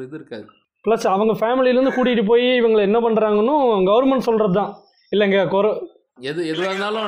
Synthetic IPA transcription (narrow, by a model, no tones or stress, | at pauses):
ɪðɾɯkːaːðɯ | pɭɐsɐʋɐŋɡɐfaːmɪlɪlɐɾɯnd̪ɯkuːɽɪɪʈɯp̬oːjiɪʋɐŋɡɐɭɛnːɐpɐɳːɾaːŋɡɐnːʊ̃ɡɐʋɐɾmɐɳʈsɔlɾɐðɯt̪ãː | ɪlːɐɪŋɡekɔɾɛ | ɛðɯɛðɯʋaːðɐnaːlʊ̃